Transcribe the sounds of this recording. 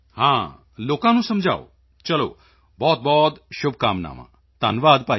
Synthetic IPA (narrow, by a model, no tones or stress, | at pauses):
hãː | loːkãnũsɐmd͡ʒʱa̰ːo | t͡ʃɐlo̰ː | bɔːt̪̚bɔːt̪ʃʊbʱkaːmna̰ːmã̰ | t̪a̰nʋaːd̪paː